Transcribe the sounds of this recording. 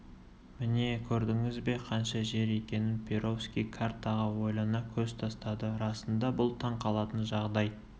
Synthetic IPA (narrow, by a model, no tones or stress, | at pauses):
mɪne̞kʲʰɵɾd̪ɪŋɪzbe̞qʰɑnʃɑʒe̞ɾe̞kʲe̞nɪnpʰeɾo̞fskʲijkʰart̪ɑʁɑwo̞jlˠɑnɑkʲʰɵzt̪ʰɑst̪ɑd̪əɾɑsənd̪ɑbʊlˠt̪ʰɑɴqʰɑlˠɑt̪ənʒɑʁd̪ɑjə